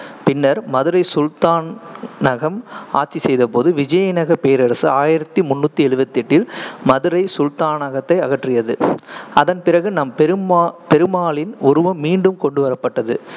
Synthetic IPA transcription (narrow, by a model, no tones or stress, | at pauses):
pɪnːɐɾmɐðɯɾɐɪsʊlt̪aːnnɐɣɐmaːʈt͡ʃːisɛjðɐpoːðɯʋɪd͡ʒɐjɐnɐɣɐpeːɾɐɾɐsɯaːjɪɾɐt̪ːimʊnːut̪ːiɛɭɯʋɐt̪ːɪʈːɪlmɐðɯɾɐɪsʊlt̪aːnɐɣɐt̪ːɐɪɐɣɐʈrɪjɐðɯɐðɐnpɪrɐɣɯnɐmpɛɾɯmpɛɾɯmaːlɪnɔɾɯʋɐmːiːɳɖɯmkɔɳɖɯʋɐɾɐpːɐʈːɐðɯ̰